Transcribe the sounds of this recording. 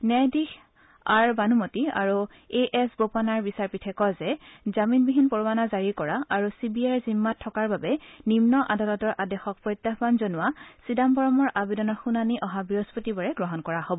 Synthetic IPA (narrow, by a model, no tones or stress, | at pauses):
nɛdix | aɹbanumotia̰ɹu | eʔɛsbopanaɹbisaɹpitʰɛkɔzɛzaminbiɦinpoɹwanazaɹikɔɹaʔaɹusibiaɹzimːatʰːɔkaɹbabɛnimnɔʔadalɔtɔɹʔadɛxɔk̚pɹɔjt̪ːabanzonʊwasidambɔɹɔmɔɹʔabidɔnɔɹxunaniʔɔɦabiɦospotibɔɹɛɡɹɔɦɔnkɔɹahobɔ